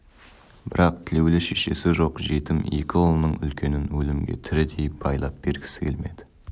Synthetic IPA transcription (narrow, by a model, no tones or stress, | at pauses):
b̥ɪɾɑq̚t̪ʰɪle̞wlɪʃe̞ʃe̞sɪʒo̞qʒe̞t̪ɪmje̞̰kʲɪolˠənːəɴʏ̰lkʲe̞nɪnwɵlɪmɡʲe̞̰t̪ʰɪɾɪd̪e̞jp̚bɑjlˠɑp̚b̥e̞ɾɡʲɪ̥sɪ̥kʲʰelme̞̰d̪̥ɪ̥